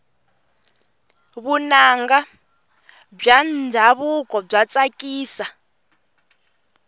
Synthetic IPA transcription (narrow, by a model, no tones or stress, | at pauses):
βunaŋɡa | b͡ʐand͡ʒʱaβukɔb͡ʐat͡sakiːsa